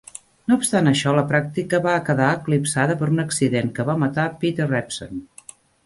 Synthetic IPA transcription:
noupst̪anəʃɔləpɾak̚t̪ikəβaəkəðaəklipsaðəpəɾunəksiðeŋkəβamət̪apit̪ərɛpso̰n

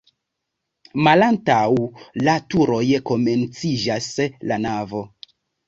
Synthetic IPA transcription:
malantawlatuɾo̞jko̞me̞nt͡sid͡ʒaslanavo̞

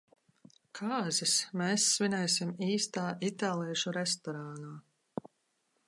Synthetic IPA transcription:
kʰaːzismɛːsːvinɛːsimiːst̪aːʔit̪aːlˠiɛʃuɾɛst̪ɔɾaːnaː

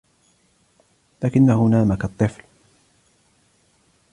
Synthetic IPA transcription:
laːkɪnːahʊnaːmakat̪ˤːɨfl

